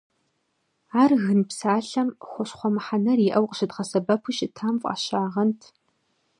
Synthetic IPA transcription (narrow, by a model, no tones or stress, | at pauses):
aːrɣɨnpsaːɬɐmxʷɔɕχʷɔmɨħanɐriʔɐwqʼəɕɪdʁɐsɐbɐpʰuʃɪtʰaːmfʷʼa̰ːɕaːʁɐntʰ